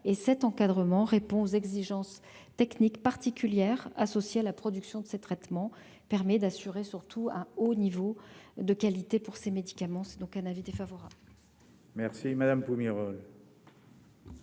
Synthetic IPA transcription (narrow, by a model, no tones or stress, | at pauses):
esɛt̪ɑ̃kad̪ʁəmɑ̃ʁepɔ̃ozɛɡziʒɑ̃s | t̪ɛknikpaʁt̪ikʲyljɛʁasɔsjealapχɔd̪yksjɔ̃d̪əset̪χɛt̪mɑ̃ | pɛʁmɛd̪asyʁesyʁt̪ʰuɛ̃onivod̪əkalit̪epuʁsemed̪ikamɑ̃sɛd̪ɔ̃kɛ̃navid̪efavɔʁabl | mɛʁsimad̪ampumiʁɔl